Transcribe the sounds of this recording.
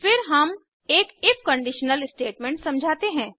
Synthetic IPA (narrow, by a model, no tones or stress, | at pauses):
fɪɾɦɐm | eːkɪfkə̃ɳɖiʃnəlɪsʈeːʈmɛ̃ːɳʈsɐ̃md͡ʒʱaːt̪eɦɛ̃ː